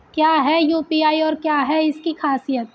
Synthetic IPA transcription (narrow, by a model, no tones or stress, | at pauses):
kjaːɦɛjuːpiaːiɔːɾkjaːɦɛɪskixaːsijət̪̚